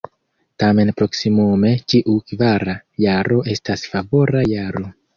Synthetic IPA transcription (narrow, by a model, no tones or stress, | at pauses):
tame̞npɾo̞ksimume̞t͡ʃiʔukvaɾajaɾo̞ʔe̞stasfavo̞ɾajaɾo̞